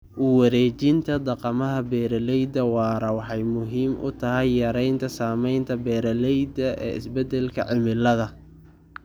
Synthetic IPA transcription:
ʔʊwɑɾɛːt͡ʃɪnt̪ʰɐd̪ɑqɑmɐɦɐbɛːɾɐlɛjd̪ɐwɑːɾɐwɑħɑjmʊɦiːmʔʊ̰t̪ʰɐɦɛjːɐɾɛjnt̪ʰɐsaːmɛjnt̪ʰɐbɛːɾɐlɛjd̪ɐʔɛ̰ːɪ̰sbɛd̪ɛlkʰɐ̰ʕɪmɪlɐðɐ

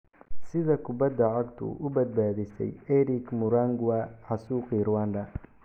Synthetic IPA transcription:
sɪðɐkʰʊbɐd̪ːɐʕɑɡt̪ʰʊ̰ʔʊbɐd̪̚baːðɪsɛ̰jɛɾɪkmʊɾaŋɡwaħɑsuːqɪɾwaːnd̪ɐ

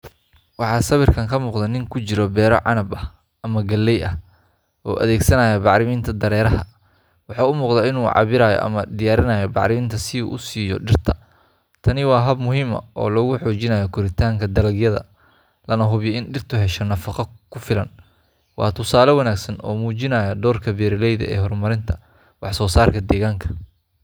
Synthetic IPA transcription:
wɑħɑːsɐβɪrkʰɐŋkʰɐmuːqd̪ɐnɪŋkʰʊt͡ʃɪɾɔbɛːɾɔ̰ʕɑ̰nɐbɐh | ʔɐmɐɡɐlːɛjʔɐh | ʔɔ̰ːʔɐ̰ðɛːɡsɐnaːjɐbɑʕɾɪmɪːnt̪ʰɐd̪ɐɾɛːɾɐhɐ | wɑħɑːʊmuːqd̪ɐɪnuːʕɑ̰βɪɾaːjɔ̰ʔɐ̰mɐd̪ɪjaːɾɪnaːjɔbɑ̰ʕɾɪmɪnt̪ʰɐsɪṵːʔʊsiːjɔ̰ɖɪrt̪ʰɐ | t̪ʰɐnɪwɑːɦɐbmʊɦiːmɐ̰ʔɔ̰ːlɔɣʊħɔːt͡ʃɪnaːjɔkʰʊɾɪt̪ʰaːŋkʰɐd̪ɐlɐɡjɐðɐ̰ | lɐnɐɦʊβjɛɪnɖɪrt̪ʰʊɦɛʃɐnɐfɑqɑkʰʊfɪlɐn | wɑ̰ːt̪ʰʊsaːlɐwɐnaːɡsɐnɔ̰ːmuːt͡ʃɪnaːjɐɖ̪ɔːrkʰɐbɛːɾɪlɛjðɐ̰ʔɛ̰ːhɔrmɐɾɪnt̪ʰɐ | wɑħsɔːsaːrkʰɐd̪ɛːɣaːŋkʰɐ̥

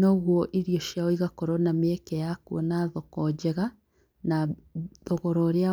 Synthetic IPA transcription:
noɣwɔʔiɾioʃjaɔiɣakɔɾonameekɛjakuɔnaðɔkɔd͡ʒɛɣa | naðoɣɔɾɔɾea

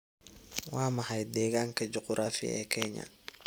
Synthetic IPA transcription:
wɑːmɐhɐjd̪ɛːɣaːŋkʰɐd͡ʒɔqʊɾʔaːfɪ̰ɛ̰ːkʰɛɲɐ̰

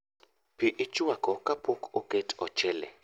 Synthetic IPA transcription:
piʔɪt͡ʃwakɔkapʰokʰoketʰɔ̰t͡ʃɛlɛ̰

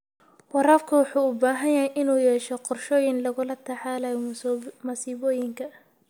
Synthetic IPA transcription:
wɑɾaːfkʰʊwɑħuːʊbaːɦɐjaːjʔɪnuːjɛːʃɛqɔrʃɔːjɪnlɐɣʊlɐt̪ʰɐħaːlɐjmɐsiːβɔːjɪŋkʰɐ

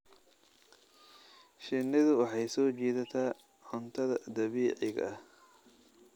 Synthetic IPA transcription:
ʃɪnɪðʊwɑħɑjsɔːt͡ʃɛːðɐt̪ʰaː | ʕʊnt̪ʰɐðɐd̪ɐβiːʕɪɣɐɐh

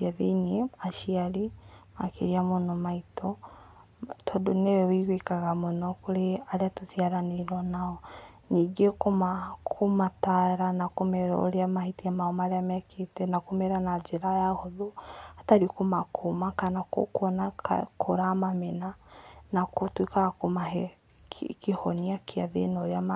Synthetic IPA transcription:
aðeneaʃiaɾimakḛɾiamonɔmaitɔ | tʰɔdonewɛwiɣwikaɣamonɔkoɾeaɾeatosiaɾaneɾɔnaɔ | ɲiːŋɡekomakʰomataɾanakomɛɾɔ̰o̰ɾeamahitiamaɔmaɾeamɛkʰetɛnakomɛɾanad͡ʒeɾajahoðoataɾikomakʰomakanako̰kwɔna̰kʰoɾamamenanakotwekaɣakomaɛ | kehɔniakeaðḛnaoɾeama

